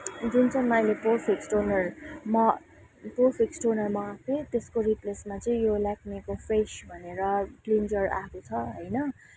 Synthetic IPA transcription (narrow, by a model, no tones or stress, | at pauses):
d̪int͡sʰʌnnʌjleporpʰiksʈonʌrmʌ | porpʰiksʈonʌrmʌaket̪eskoɾiplesmat͡sʌĩjolaknikopʰresbʱʌneɾʌklind͡ʒʌra̰kot͡sʰʌɦʌjnʌ